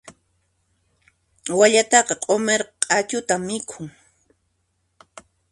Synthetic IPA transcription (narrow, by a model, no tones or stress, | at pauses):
waʎat̪ɑqɑqʼomeɾqɑqʼat͡ʃʊt̪amːɪkʰʊŋ